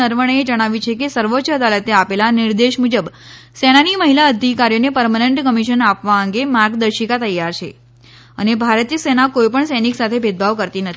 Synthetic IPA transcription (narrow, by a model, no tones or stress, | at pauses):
əɾʋəɽ̃eed͡ʒəɽ̃aʋit͡ʃʰekesəɾʋotːt͡ʃʰəəd̪alet̪eapelaniɾd̪eʃmud͡ʒəbsɛñaniməɦilaəd̪ʱikaɾijonepəɾmaneɳʈkəmiʃənapʋaəŋɡemaɾɡd̪əɾʃikat̪əjaɾt͡ʃʰe | ənebʱaɾət̪ijəsɛnakojpəɳsɛniksat̪ʰebʱed̪̚bʱaʋkəɾt̪inət̪ʰi